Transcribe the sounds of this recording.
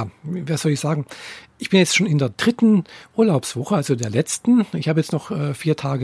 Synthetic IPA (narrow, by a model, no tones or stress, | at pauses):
aːvaɐsz̥ɔlɪçz̥aːɡŋ̩ʔɪçb̥ɪnjɛt͡stʃoːnɪndeːɐd̥ʁɪtn̩ʔuːɐlaʊpsv̥ɔχəalzodeːɐlɛt͡stn̩ɪ̰çhaːbəjɛt͡stnɔχʔɛːfiːɐtʰaːɡə